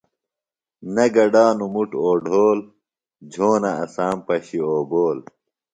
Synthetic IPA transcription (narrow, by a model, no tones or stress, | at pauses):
nɐɡɐɖaːnumuʈoːɖʱoːl | d͡ʑʱoːnɐɐsaːmpɐɕioːboːl